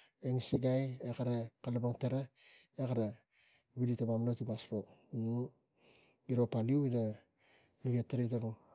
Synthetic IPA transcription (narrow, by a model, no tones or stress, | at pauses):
eŋsiɡajekaɾakalabaŋteɾaekaɾa | βiditamamnotimasɾo | biɾopaliuina | luɡetːeɾitaŋ